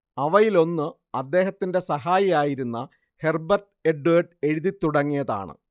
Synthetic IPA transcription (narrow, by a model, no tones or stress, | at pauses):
ɐʋɐjilo̞nːɨ | ɐd̪ːe̞ːɦɐt̪ːinde̞sɐɦaːjijaːjiɾunːɐ | he̞rbɐrʈ | eɖueɖe̞ɻiðit̪ːuɽɐŋːijɐða̰ːɳɨ̰